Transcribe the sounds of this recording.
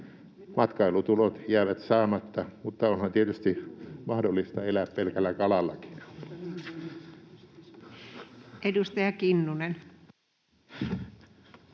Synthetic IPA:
mɑt̪kɑilut̪ulot̪jæːʋæt̪sɑːmɑt̪ːɑmut̪ːɑonhɑnt̪iet̪yst̪imɑhdolːist̪ɑelæppelkælːækɑlɑlːɑki̥n | edust̪ɑjɑkinːunen

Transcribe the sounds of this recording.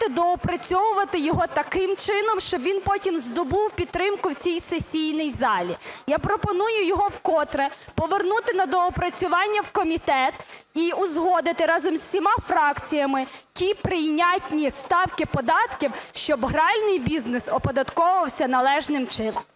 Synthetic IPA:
t̪ɪd̪ɔɔpɾɐt͡sʲɔʋʊʋɐt̪ɪjɔɦɔt̪ɐkɪmt͡ʃɪnɔmʃt͡ʃɔbʋʲinpɔtʲimzd̪ɔbuwpʲid̪̚t̪ɾɪmkʊwt͡sʲijsesʲijnɪjzɑlʲijapɾɔpɔnujʊjɔɦɔwkɔt̪ɾɛpɔʋernut̪ɪnɐd̪ɔɔpɾɐt͡sʲʊʋɑnʲːɐwkɔmʲit̪ɛt̪iʊzɦɔd̪ɪt̪ɪɾɑzɔmsʲsʲimɑfɾɑkt͡sʲijɐmɪtʲipɾɪjnʲatʲnʲist̪ɑwkɪpɔd̪ɑt̪kʲiwʃt͡ʃɔbɦɾɑlʲnɪjbʲiznɪsɔpɔd̪ɐt̪kɔʊʋɐwsʲɐnɐlˠɛʒnɪmt͡ʃɪnɔm

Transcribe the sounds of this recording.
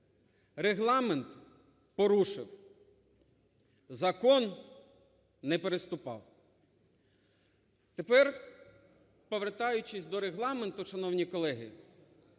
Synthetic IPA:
reɦlˠɑment̪ | pɔɾuʃɪw | zɐkɔn | ɛpeɾest̪ʊpɑ̰w | t̪epɛr | pɔʋert̪ɑjʊt͡ʃɪsʲd̪ɔɾeɦlˠɑment̪ʊʃɐnɔwnʲikɔlˠɛɦɪ

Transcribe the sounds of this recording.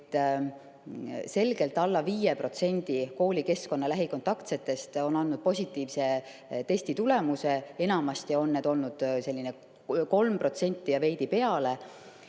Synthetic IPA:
t̪ːˑ | se̞lɡ̥e̞lt̪ːˑɑlːɑviːjepro̞t̪se̞nʲd̪̥iko̞ːlʲike̞sko̞nːɑlæɦiko̞nt̪ːˑɑkt̪set̪ːˑe̞st̪o̞nɑnːud̪̥̚po̞sʲit̪ːˑiːvse̞ | t̪e̞sʲt̪it̪ule̞muse̞e̞nɑmɑst̪io̞nːeːd̪o̞lnud̪̥se̞lːine | ko̞lmpro̞t̪se̞nʲt̪ːˑijɑve̞jd̪ipe̞ɑle̞

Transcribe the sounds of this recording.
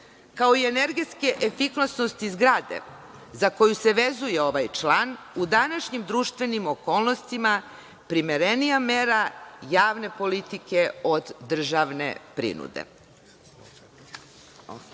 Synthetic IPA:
kao̞ie̞ne̞ɾɡet̪skeʔefiklasno̞st̪izɡɾaːd̪ḛ | zako̞juseʋezuje̞o̞ʋajt͡ʃlˠaːn | ud̪anaʃɲimd̪ɾuːʃt̪ʋe̞nimoko̞ːlˠno̞st̪ima | pɾimeɾenijameːɾajaːʋne̞po̞lit̪ike̞o̞d̪ːr̩ʒaʋnḛpɾḭnṵd̪ḛ

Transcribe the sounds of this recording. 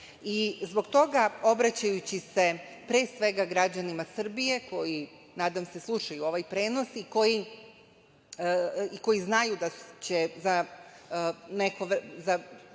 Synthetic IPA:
izbo̞ɡt̪o̞ɡao̞bɾat͡ɕajut͡ɕise̞ | pɾeːsʋe̞ɡaɡɾad͡ʑanimasr̩bije̞kʰo̞ji | naːd̪amse̞slˠuʃajuo̞ʋajpɾe̞ːno̞siko̞ji | iko̞jiznajud̪at͡ɕeza | ne̞koʋza

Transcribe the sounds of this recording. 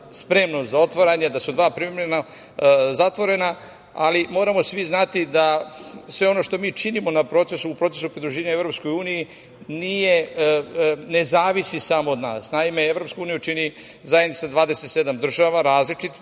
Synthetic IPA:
spɾe̞mnozao̞t̪ʋoɾaɲed̪asud̪ʋaːpɾimemɾena | zat̪ʋo̞ɾe̞na | alimo̞ːɾamo̞sʋiznat̪id̪asʋe̞o̞no̞ʃt̪o̞miːt͡ʃinimo̞napɾo̞t̪se̞suːpɾo̞t̪e̞supɾid̪ɾuʒeːɲae̞vɾo̞psko̞juːniji | nije̞ | ne̞zaːʋisisaːmood̪na̰ːsnaime̞evɾo̞pskuuːnijut͡ʃini | zajed̪nit̪sad̪ʋaːd̪eset̪se̞d̪amd̪r̩ʒaʋaɾaːzlit͡ʃit̪

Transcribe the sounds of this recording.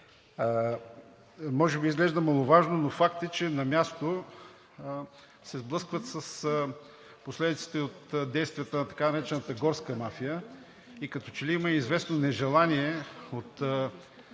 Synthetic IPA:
mɔʒɛbiizɡlɛʒd̪əmɐlˠovaʒnonofakt̪ɛt͡ʃɛnɐmʲjast̪o | sɛzblˠɤskvət̪səs | poslɛd̪it̪si̥t̪ɛot̪d̪ɛjst̪vʲijət̪ənɐt̪ɐ̥kanɐɾɛt͡ʃɛnət̪əɡɔɾskəmafijə | ikɐt̪ɔ̥t͡ʃɛliiməizvɛsnonɛʒɛlˠaniɛot̪

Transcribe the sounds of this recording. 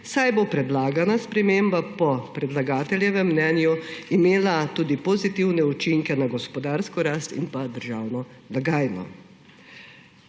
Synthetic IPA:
sajbopɾɛd̪laːɡanaspɾɛmembapɔpɾɛd̪laɡaːt̪ɛljɛʋɛmːnɛnjuimeːlat̪uːd̪ipɔzit̪iwnɛut͡ʃiŋkɛnaɡɔspɔd̪aːɾskɔɾaːst̪ḭnpad̪əɾʒaːwnɔ | laɡaːjnɔ̰

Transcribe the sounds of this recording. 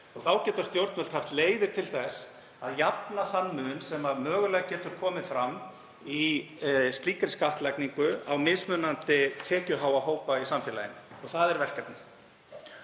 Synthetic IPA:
ɔɣθawcɛːt̪ast̪jowɾt̪nmœl̥t̪haft̪leːjðɪɾ̥t̪ʰɪlθɛs | aðjapnaθanːmʏnsɛmaðmœːɣʏlɛːɣacɛːt̪ʏɾ̥kʰɔːmɪfɾamː | i | st̪liːkɾɪskaht̪lɛkniŋkʏawmɪsmʏnːant̪ɪt̪ʰɛːcʏɦaːwaɦoːwpaisamfjɛːla̰jɪ̰nːɔɣθaðɛɾvɛr̥kat̪nɪ̥

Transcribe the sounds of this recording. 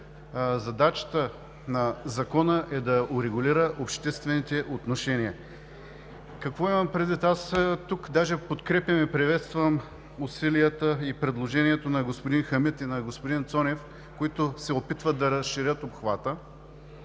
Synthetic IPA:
zɐd̪at͡ʃə̥t̪ə | nɐzɐkɔnəʔɛd̪ɐʊɾɛɡʊliɾəʔopʃt̪ɛst̪vɛnit̪ɛʔot̪noʃɛniə | kɐkvɔimɐmpɾɛd̪it̪ast̪ukd̪aʒɛpot̪kɾɛpʲjɐmɛpɾivɛt̪st̪vəm | ʊsiliət̪əipɾɛd̪lˠoʒɛniɛt̪onɐɡospoʊd̪inxɐmit̪inɐɡospʊd̪int̪sɔnɛf | koit̪osɛopit̪vəd̪ɐɾəsʃiɾʲjət̪opxvat̪ə

